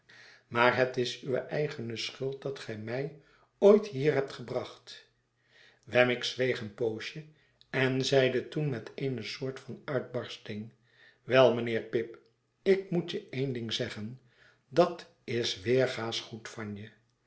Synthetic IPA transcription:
maːɹɦətɪsyʋə̰ʔɛjχənəsχɵlˠt̚dɑtχɛjmɛj | ojtɦiːɹɦɛp̚tχəbrɑχt | ʋɛmɪksʋejχənpowʃə | ɛnzɛjdətunmɛtʰejnəsʊːɹtfɑnœɥd̚bɑɹstɪŋ | ʋɛlˠmənɪːɹpɪp | ɪk̚mutjəejndɪŋzɛχən | dɑt | ɪsʋɪːɹχaːsχutfɑnjə

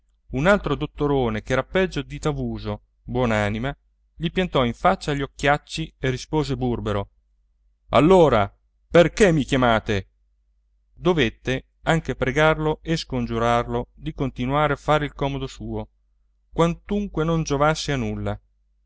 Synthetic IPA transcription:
unalt̪ɾod̪ot̪ːoɾoːnekɛːɾapɛd͡ʒːod̪it̪avuːzo | bwɔːnaːnima | ʎipjant̪ɔiɱfat͡ʃːaʎːokːjat͡ʃːierispoːzeburbeɾo | a̰lːoːɾa̰ | perkemːikjamaːt̪e | d̪ovet̪ːe | aŋkepɾeɡarloʔeskond͡ʒuɾarlod̪ikont̪inuaːɾeafːaːɾeilkɔːmod̪osuːo | kwant̪uŋkwenond͡ʒovasːeanulːa

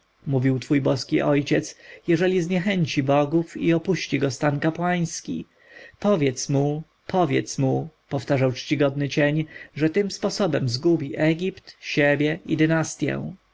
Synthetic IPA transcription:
muvʲiwt̪fujbɔskʲiʔɔjt͡ɕɛt̪sjɛʐɛlʲizɲɛxɛɲt͡ɕibɔɡufiɔpuɕt͡ɕiɡɔst̪ankapwaj̃skʲḭ | pɔvʲjɛt̪smu | pʰɔvʲjɛ̰t̪smupɔft̪aʐawt͡ʂt͡ɕiɡɔd̪nɘt͡ɕeɲʐɛt̪ɘmspɔsɔbɛmzɡubʲiʔɛɡʲipt̪ɕebʲjɛʔid̪ɘnast̪ʲjɛ̰̃w̃

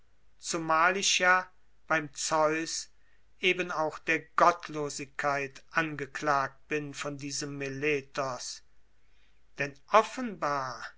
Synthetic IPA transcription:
t͡sumaːlɪʃjaː | b̥aɪmt͡sɔʏs | ʔeːbənaʊxd̥eːɐɡɔtʰloːzɪkʰːaɪtʔanɡəklaːk̚t̚b̥ɪnfɔndiːzəmːeleːtɔs | d̥ɛnʔɔfənbaːɐ

